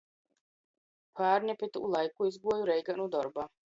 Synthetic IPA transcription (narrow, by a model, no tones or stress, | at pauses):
pʰaːɾnʲɛpit̪ulˠajkuizɡuɔjuɾɛjɡanud̪ɔɾbaː